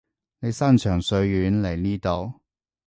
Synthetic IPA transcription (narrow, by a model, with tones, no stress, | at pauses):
ne˨˧jsɐ˥nt͡ʃʰœː˨˩ŋsɵ˧ɥjyː˨˥nle˨˩jniː˥t̪o˧w